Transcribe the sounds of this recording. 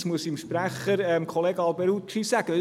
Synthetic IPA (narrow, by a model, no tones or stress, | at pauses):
smuəsimʃpræχəɾɛmkʰoleːɡɑlbɛɾut͡ʃisæɡ̥əɪ